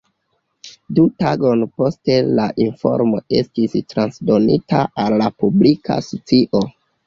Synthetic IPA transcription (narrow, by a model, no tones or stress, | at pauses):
dutaɡo̞npo̞ste̞laʔinfo̞̰ɾmo̞e̞stistɾansdo̞nitaʔalːapublikʰa̰sot͡siʔo